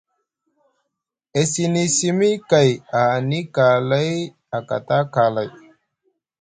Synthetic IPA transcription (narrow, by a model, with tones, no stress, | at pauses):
e˨si˨ni˨si˦mi˦ka˨ja˨ni˦ka˨la˦j | a˨ka̰˨ta˦ka˨la˨j